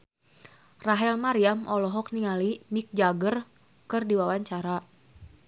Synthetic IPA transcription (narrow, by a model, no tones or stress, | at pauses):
raɦɛlmaɾiamʔɔlɔɦɔk̚niŋalimik̚d͡ʒaɡər | kɨrdiwawaɲt͡ʃaɾa